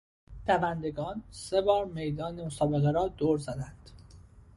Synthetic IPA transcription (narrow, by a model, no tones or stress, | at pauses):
pʰævænd̪e̞ɡɒːnsebɒːɾme̞jd̪ɒːnemosɒːbe̞ɣeɾɒːd̪oːɾzæd̪ænd̪̥